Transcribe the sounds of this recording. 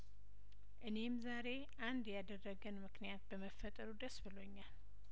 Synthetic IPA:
ʔɨne̞mzaɾe̞ | ʔand̪jad̪ərːəɡənmɨknijat̪̚bəməfːət̪ʼəɾud̪əsbɨlo̞ɲːal

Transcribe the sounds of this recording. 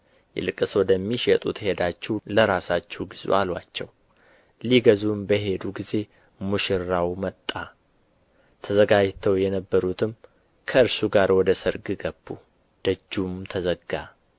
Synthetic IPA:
jɛ̰lɨkʼːɨswɔd̪əmːiʃɛt̪ʼut̪he̞d̪at͡ʃːɛwləɾasat͡ʃːɛwɡizṵʔalwat͡ʃːɛw | liɡəzumbəɦe̞d̪uɡize̞ | muʃɪɾawmət̪ʼːa | t̪ʰəzəɡad͡ʒt̪ʰəwjɛnəbːəɾut̪ʰɨm | kʰəɨɾsuɡaɾwɔd̪əsɨɾɡɨɡəb̥ːu | d̪̥əd͡ʒːumt̪ʰəzəɡːa

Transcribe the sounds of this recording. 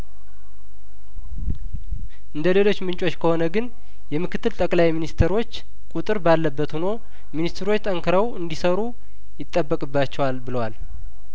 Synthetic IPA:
ʔɨnd̪əle̞lo̞t͡ʃːmɨnt͡ʃʼo̞t͡ʃːkʰəho̞nəɡɨn | jɛmɨkɨt̪ʰːɨlt̪ʼəkʼlajminist̪ʰeɾo̞t͡ʃː | kʼut̪ʼɨɾbalːəbːət̪huno̞ | minist̪ʰɾo̞t͡ʃːt̪ʼəŋkʰɨɾəwɨnd̪isəɾu | jɪt̪ʼːəbːəkʼɨbːat͡ʃːɛwalbɨləwal

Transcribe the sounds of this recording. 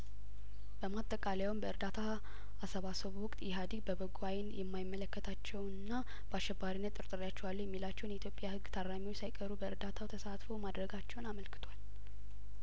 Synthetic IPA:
b̥əmat̪ʼəkʼaljawmbəɨɾd̪at̪ʰa | asəβasəβuwʊkʼt̪ʼjɛɦad̪iɡbəbəɡuajnjɛmːajɪmːələkːət̪ʰat͡ʃːɛwɨnːa | b̥əaʃːɛbːaɾinːət̪ʼːɨɾt̪ʼɨɾjat͡ʃːɛwalːujɛmːilat͡ʃːɛwnjit̪jo̞pʼjahɨɡːt̪ʰaɾamiwo̞t͡ʃːsajɪkʼəɾubəɨɾd̪at̪ʰawt̪ʰəsat̪fomad̪ɾəɡat͡ʃːɛwnaməlkʰɨ̥t̪ʰwal

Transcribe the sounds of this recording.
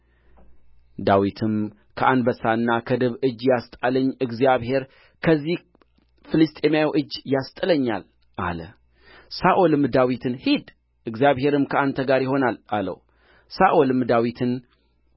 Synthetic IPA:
d̪awit̪ʰɨm | kʰəʔanbəsaɨnːakʰəd̪ɨβɨd͡ʒːjast̪ʼaləɲːʔɨɡzijaβhe̞ɾ | kʰəzːih | fɨlɨst̪ʼe̞mjawʔɨd͡ʒːjast̪ʼɨləɲːa̰l | ʔa̰lə̰ | saʔolɨmd̪awit̪ʰɨnhid̪ | ʔɨɡzjaβɦe̞ɾɨmkʰəant̪ʰəɡaɾjɪɦo̞nalʔalə̰w | saʔolɨmd̪awit̪ʰɨn

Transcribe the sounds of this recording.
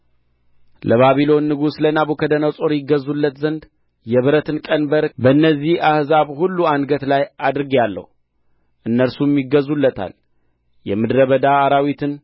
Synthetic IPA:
lʔəβaβilo̞nːɨɡuslənaβukʰəd̪ənawsʼo̞ɾjɪɡəzulːət̪zənd̪ | jɛβɨɾət̪ɨnkʼənbəɾbəɨnːəzːihahzaβhulːuanɡət̪lajad̪ɾɨɡalːə̰hu | ʔɨnːəɾsumjɪɡəzːulːət̪ʰa̰l | jɛmɨd̪ɾəβəd̪aːɾawit̪ʰɨn

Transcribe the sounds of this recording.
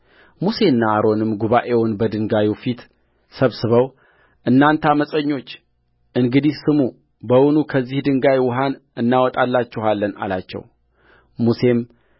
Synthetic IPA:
muse̞nːaaɾo̞nɨmɡuβaʔe̞wʊnbəd̪ɨŋɡajufit̪ | səβsɨβəw | ʔɨnːant̪ʰaməsʼəɲːo̞t͡ʃː | ʔɨŋɡɨd̪ihsɨmu | bəwʊnukʰəzːihd̪ɨŋɡajwʊɦanɨnːawɔt̪ʼalːat͡ʃːɛhalːəna̰lat͡ʃːɛ̰w | muse̞m

